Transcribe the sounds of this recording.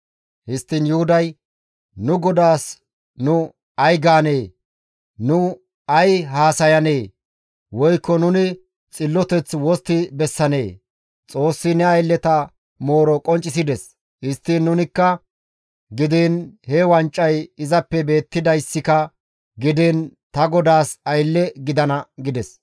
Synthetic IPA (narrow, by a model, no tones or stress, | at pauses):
hɪst̪ːiːnjʊhʊd̪ɐj | nʊɡɔd̪aːs | nʊ | ɐjɡaːne̞ː | nʊ | ɐjɦaːsɐjɐneː | wɔjkːɔnʊnɪ | t͡sʼɪlːɔt̪ɛt͡swɔst̪ːɪbɛsːɐne̞̰ː | t͡sʼo̞ːsːɪnɛɐjlːɛt̪ɐ | mo̞ːɾɔkʼɔnt͡ʃʼːɪsɪd̪ɛs | hɪst̪ːiːnːʊnɪkːɐ | ɡɪd̪ɛːnhɛwɐnt͡ʃʼːɐjɪzɐpːɛbe̞ːt̪ːɪd̪ɐjsːɪkɐ | ɡɪd̪ɛnt̪ɐɡɔd̪aːsɐjlːɛɡɪd̪ɐnɐɡɪd̪ɛs